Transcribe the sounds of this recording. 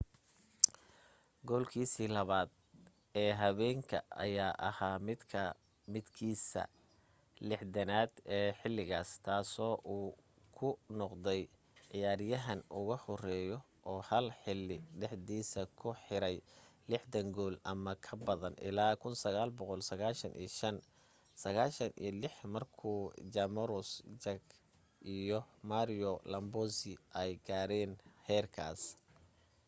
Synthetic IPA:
ɡɔːlkʰiːsiːlɐβaːd̪ | ɛːɦɐβɛːŋkʰɐ̰ɐ̰jaːʔɐhaːmʰ | mɪd̪kʰiːsɐ̰ | lɪħd̪ɐnaːd̪ɛːħɪlːɪɣaːst̪ʰaːsɔːʔuː | kʰʊnɔqd̪ɛj | ʕɪjaːɾjɐɦɐnʊɣɐhɔrɛːjɔ | ʔɔːhɐlħɪlːɪɖɛħd̪iːsɐkʰʊħɪɾɛjlɪħd̪ɐŋɡɔːlʔɐmɐkʰɐbɐðɐnʔɪ̰laːkʰʊnsɐɣaːlbɔqɔlsɐɣaːʃɐnʔḭːʃɐn | sɐɣaːʃɐnʔḭjɔlɪħmɐrkʰuːd͡ʒɐmɐɾʊsd͡ʒɐɡ | ʔijɔmaɾɪjɔlɐmbɔːsɪʔɛjɡaːɾɛːnhɛːrkʰa̰ːs

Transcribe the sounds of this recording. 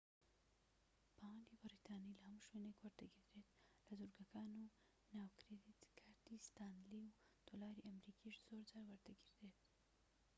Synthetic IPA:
pãːibɐɾit̪aːnilamʃwenekwɐɾt̪ɐɡiɾd̪et̪lɐzuɾɡɐkaːno | naːwkɾed̪it̪kʰaʈ̪ist̪aːnliu | t̪olaːɾiʔɐmɾikiʂzoːɾt͡saːɾwɐɾt̪ɐɡiɾd̪et̪̚

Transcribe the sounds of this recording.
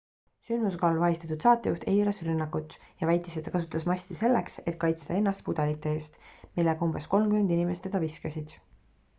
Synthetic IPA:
synd̪muskɑlvɑjist̪ɑ̥t̪ud̪̥sɑːt̪ːˑejuht̪ejlesrynːɑkːˑut̪ːˑjɑvæjt̪ːˑiset̪ɑkɑsut̪ːˑɑsmɑsʲt̪ise̞lːekse̞t̪̚kɑjt̪st̪ɑe̞nːɑst̪̚pud̪̥elit̪ːˑe̞e̞ːst̪milːeɡ̥ɑumbe̞sko̞lmkyme̞nd̪inʲimest̪ed̥̪ɑviskesid̪̥

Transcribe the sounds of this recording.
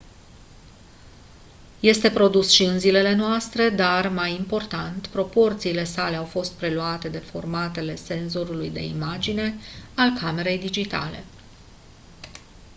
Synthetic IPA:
je̞st̪e̞pɾo̞d̪usʃiɨnzile̞le̞noast̪ɾe̞d̪armajimpo̞rt̪ant̪pɾo̞po̞rt̪siːle̞sale̞awfo̞st̪̚pɾe̞luat̪e̞d̪e̞fo̞̰rmat̪e̞le̞se̞nzo̞ɾulujd̪e̞̰imad͡ʒine̞alkʰame̞ɾe̞jd̪id͡ʒit̪a̰le̞̰

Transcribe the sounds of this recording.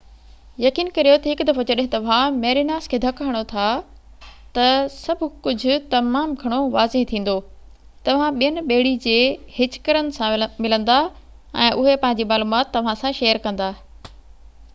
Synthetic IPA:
jɐkiːnkɐɾijot̪ɐɦɪkʊd̪ɐfot͡ɕɐɗɦɪ̃t̪ɐʋ̤ãmeːɾinaːskʰeːd̪ʱɐkaɽ̃ot̪ʰa | t̪ɐsɐbʱʊkʊd͡ʑʱʊ̆t̪ɐmaːmɡʱɐɽ̃oʋaːzɪɦt̪ʰĩːn̆d̪oː | t̪ɐʋ̤ãɓijənɪ̆ɓeːɪɽid͡ʑeːhɪt͡ɕkəɾənɪ̆sãmɪlə̃nd̪a | ɛ̃ːʔʊɦepɐ̃ɦɪ̃ɲ̆d͡ʑiːmaːluːmaːt̪ːɐʋ̤ãsãʃeːjəɾkɐ̃nd̪aː

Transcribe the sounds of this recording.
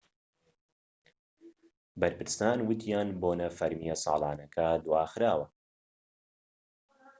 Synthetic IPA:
bɐɾpɨɾst̪aːnwɨt̪jaːnboːnɐfɐɾmijɐsˤɑ̰ːlˠɑːnɐkʰɐd̪waːxɾaːwɐ

